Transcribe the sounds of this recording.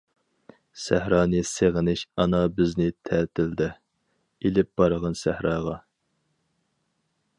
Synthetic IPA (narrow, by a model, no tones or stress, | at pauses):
sæhɾɑːnɨseʁənɪʃɑnɑbɪznɪt̪ʰɛːt̪ʰɪld̪ɪ | elɪp̚b̥ɑɾəʁɑnsæhɾɑːʁɑ